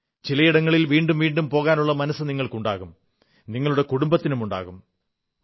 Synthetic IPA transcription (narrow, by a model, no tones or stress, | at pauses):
t͡ɕilɐjiɽɐŋːɐɭilʋiːɳɖumʋiːɳɖumpo̞ːɣaːnuɭːɐmɐnɐsːɨniŋːɐɭkuɳɖa̰ːɣum | niŋːɐɭuɽe̞kuɽumbɐt̪ːinumuɳɖa̰ːɣum